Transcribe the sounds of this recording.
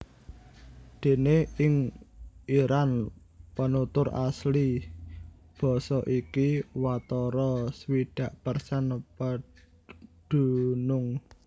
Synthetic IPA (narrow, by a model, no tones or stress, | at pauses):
d̪̥e̤neɪŋ | iɾan | pənut̪ʊɾa̰sli | b̥ɔ̤sɔʔikiwat̪ɔɾɔsəwiɖ̥ä̤ʔpərsanpə | ɖ̥ṳnʊŋ